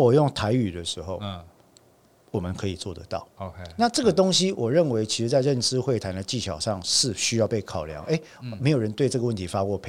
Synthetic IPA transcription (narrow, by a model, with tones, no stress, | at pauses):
wɔ˨˩jo˥˩ŋt̪ʰa˧˦ɪy˨˩d̪ə˨ʂɻ̩˧˦xo˥˩ʊ | wɔ˨˩mə˦nkʰɤ˧˦i˨˩t͡swɔ˥˨d̪ə̰˦t̪ɑ̰˥˩ʊna˥˨ʈ͡ʂɤ˥˩ɡə˨t̪o˥ŋɕi˦wɔ˨˩ɻə˥˨˩nwe˧˥ɪt͡ɕʰi˧˥ʂ̩˧˥t͡sa˥˧ɪɻə˥˨nʈ͡ʂɻ̩˥˦xwe˥˩ɪt̪ʰa˨˦ndə˧t͡ɕi˥˩ɕjɑ˨ʊʂɑ˥˧ŋʂɻ̩˥˨ɕy˧˥jɑ˥˧ʊpe˥˩ɪkʰɑ˨˩ʊljɑ̰˧˦ŋʔe˦ɪme˧˥ɪjo˨˩ɻə˧˦nt̪we˥˧ɪɤ˥˩ɡə˨wə˥˨nt̪ʰi˨˧˦fa˦˥kwɔ˥˨pʰe˨